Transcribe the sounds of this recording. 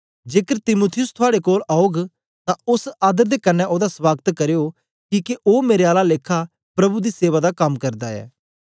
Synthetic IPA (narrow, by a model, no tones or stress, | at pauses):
d͡ʒeːkəɾt̪ɪmuːt̪ʰɪjʊst̪ʰʊaːɽekoːlaːoɡ | t̪ãʊsaːd̪əɾd̪eːkənːɛʔod̪aswaːɡt̪kəɾejoː | kiːkeʔoːmeːɾeaːlaleːkʰa | pɾɐbud̪iːseːʋaːd̪akɐmkəɾd̪aːɛ̰ː